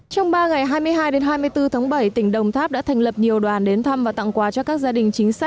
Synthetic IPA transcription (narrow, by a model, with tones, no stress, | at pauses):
t͡ɕɔ˧wŋ͡mɓaː˧ŋa˨˩jɦaː˧jmɨ˧əjɦaː˧jɗe˨˦nɦaː˧jmɨ˧əjt̪ɨ˧t̪ʰaː˨˦ŋɓə˧˩jt̪ï˧˩ŋ̟ɗə˨˩wŋ͡mt̪ʰaː˦˥p̚ɗa̰ː˧˥t̪ʰɛ˨˩ŋlə˨˩p̚ɲi˨˩əwɗwaː˨˩nɗe˨˦nt̪ʰa˧mvaː˨˩t̪a̰˧˨ŋkwaː˨˩t͡ɕɔ˧kaː˦˥k̚zaː˧ɗï˨˩ŋ̟t͡ɕï˨˦ŋ̟sa˦˥k̟̚